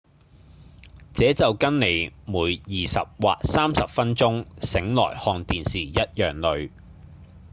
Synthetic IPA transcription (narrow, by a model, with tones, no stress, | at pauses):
t͡sɛː˨˥t͡sɐ˨wkɐ˥nne˨˧jmuː˨˥jjiː˨sɐ̰˨p̚wa̰ː˨k̚saː˥msɐ˨p̚fɐ˥nt͡sʊ˥ŋsɪ˨˥ŋlɔ̰ː˨˩jhɔː˧ŋt̪iː˨nsiː˨˩jɐ˥t̚jœː˨ŋlɵ˨˧ɥ